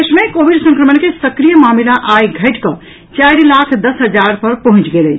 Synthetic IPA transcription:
esmekobiɖsə̃ŋkɾəmənkesəkɾijəmamilaʔajɡʱəʈkə | t͡ʃajɾlakʰd̪əsɦəd͡ʒaɾpəɾpəɦũt͡ʃɡeləjt͡ʃʰ

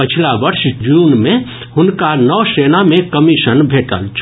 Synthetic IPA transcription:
pət͡ʃʰilabəɾsd͡ʒunme | hunkanɔsenamekəmisənbʱeʈə̰lt͡ʃʰ

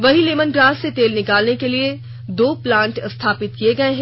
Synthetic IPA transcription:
ʋɐɦileːmənɡɾaːset̪eːlnɪkaːlnekelie | d̪oːplãːɳʈst̪ʰaːpɪt̪kieɡɐẽɦɛ̃

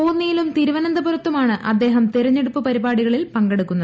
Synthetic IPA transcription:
oːnːijilumt̪iːɾuʋɐnɐnd̪ɐburɐt̪ːumaːɳɨʔɐd̪ːe̞ːɦɐmt̪iɾɐɲːe̞ɽupːɨpɐɾibaːɽiɣɐɭilpɐŋɡeɽukːunːɐð

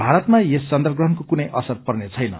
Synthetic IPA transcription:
bʱaɾʌt̪majest͡sʌnd̪ʌrɡrʌɦʌnkokunʌjʔʌ̰sʌrpʌrnet͡sʰʌjnʌ̰

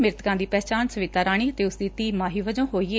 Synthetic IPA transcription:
mɪɾt̪kãːd̪iːpɛːt͡ʃaːnsəʋɪt̪aːɾaːɽ̃iːət̪eːʊsd̪iːt̪iːmaːɦiːʋəd͡ʒõːɦoːiːeː

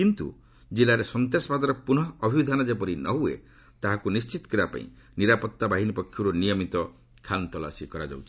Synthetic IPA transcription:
kint̪ṵ | d͡ʒilaɾesɔnt̪esɔbad̪ɔɾɔpuɽ̃ɔbʱibid̪ʱanɔd͡ʒepɔɾinɔɦuḛ | t̪aɦakunist͡ʃit̪ɔ̥kɔɾibapa̰ḭ̃ | niɾapɔt̪ːabaɦinipɔkʰːjuɾunijɔmit̪ɔ | kʰant̪ɔla̰sikɔɾad͡ʒa̰wt͡ʃʰi̥

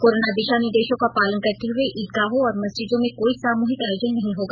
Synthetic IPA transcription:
koːɾoːnad̪ɪʃaːnid̪eːʃõkapaːlənkɐɾt̪eɦʊeʔiːd̪̚ɡaːɦõɔːɾmɐsd͡ʒɪd͡ʒõmẽkoːisaːmoːɦɪkaːjod͡ʒənːɐɦĩɦoːɡaː

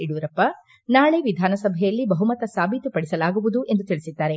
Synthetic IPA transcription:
iɽuʋɾɐpːɐ | naːɭeʋid̪ʱaːnɐsɐbʱɛjɐlːibɐɦumɐt̪ɐsaːbʱit̪upɐɽisɐlaːɡuʋud̪uʔe̞nd̪ut̪iɭisid̪ːaːɾe̞

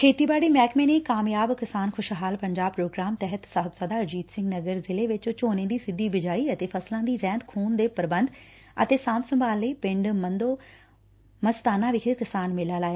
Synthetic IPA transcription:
kʰeːt̪iːbaːɽiːmɛːkmẽːneːkaːmjaːbkɪsaːnkʰʊʃɦaːlpəɲd͡ʒaːb̚pɾoːɡɾaːmt̪ɛɦət̪səɦb̪zaːd̪aːəd͡ʒiːd̪sɪ̃ŋɡnəɡəɾzɪleːʋɪt͡ʃt͡ʃoːnẽːd̪iːsɪd̪iːbɪd͡ʒaːiːət̪eːfʰəslãːd̪iːɾɛ̃ːnt̪kʰuːnd̪eːpəɾbənd̪ | ə̰t̪eːsãːmsəmbʱaːlːəiːpɪ̃ɳɖmənd̪oː | məst̪aːnãːʋɪkʰɪkɪsaːnmɪlaːlaːjaː

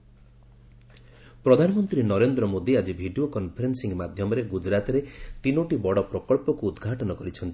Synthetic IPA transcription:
pɾɔd̪ʱanɔmɔnt̪ɾinɔɾend̪ɾɔmod̪iad͡ʒibʱiɖiokɔnpʰɔɾensiŋmad̪ʱjɔmɔɾeɡud͡ʒɾat̪ɔɾet̪inoʈibɔɽɔpɾɔkɔɭpɔkuːd̪ɡʱaʈɔnɔkɔɾit͡ʃʰɔnt̪i̥

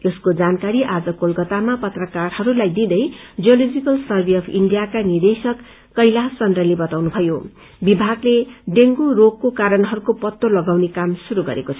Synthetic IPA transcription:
eskod͡zankaɾiʔad͡zʌkolkʌt̪amapʌt̪rʌkarhʌɾulajd̪id̪ʌjd͡zijolod͡zikʌlsʌrbiʌpʰḭɳɖijakanird̪esʌkː | ʌjlasʌnd̪rʌlebʌt̪awnubʱʌjo | bibʱaɡleɖeŋɡurokːokaɾʌnɦʌɾukopʌt̪ːolʌɡawnekamsuɾuɡʌ̰ɾekot͡sʰʌ

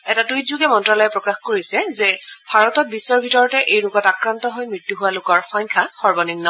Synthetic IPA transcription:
ɛtatuitzuɡɛmɔntɹalɔjɛpɹɔkaxkoɹisɛzɛbʱaɹɔtɔt̚bisɔɹbʱitɔɹɔtɛʔejɹʊkɔtakɹantɔɦojmɹitːuɦuwalʊkɔɹxɔɲkʰaxɔɹbɔnimnɔ

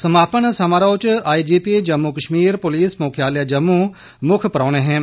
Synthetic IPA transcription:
səmaːpəɳsamaːɾaːt͡ʃaːid͡ʒiːpied͡ʒɐmːukəʃmiːɾpʊliːsmoːkʰjaːljad͡ʒɐmːu | mʊkʰpəɾɔːñẽɦɛ̃ː

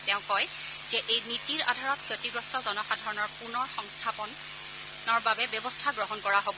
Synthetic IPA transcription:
tɛʊ̃kɔj | zɛʔejnitiɹa̰dʱaɹɔtkʰjotiɡɹɔstʰɔzɔnɔxadʱɔɹɔnɔɹpunɔɹxɔŋstʰapɔn | ɔɹbabɛbɔbɔstʰaɡɹɔɦɔnkɔɹaɦobɔ

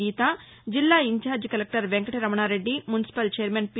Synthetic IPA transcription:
iːt̪aː | d͡ʒɪlːaːɪ̃nt͡ʃaːd͡ʒkəlek̚ʈəɾʋɛ̃ːŋkəʈɾəmɳ̃ãːɾeɖːiːmʊnɪsɪ̥pəlt͡ʃeːɾmɛ̃ːnp

